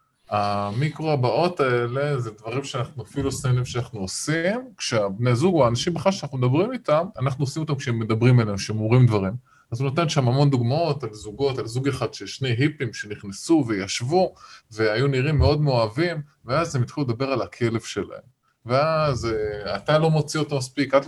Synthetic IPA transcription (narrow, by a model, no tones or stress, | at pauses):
amikʁoabao̞t̪ae̞le̞zed̪vaʁimʃeanaχnuafilusenimʃeanaχnuosimkʃeabnezuɡoaːnaʃimbeχalʃeanaχnumed̪abʁimit̪amanaχnuosimo̞t̪amkʃeemːe̞d̪abʁimaleemkʃeemomʁimd̪vaʁim | azunot̪anʃamamo̞nd̪uɡmao̞talzuɡo̞talzuɡeχad̪ʃeʃne̞jɦipimʃe̞niχnesuvejaʃvuve̞ajuniʁimːeo̞d̪meoavimveazhemjit̪χiluld̪abe̞ʁalakʰe̞le̞vʃe̞la̰hem | veazat̪alo̞mo̞t͡sio̞t̪omaspikat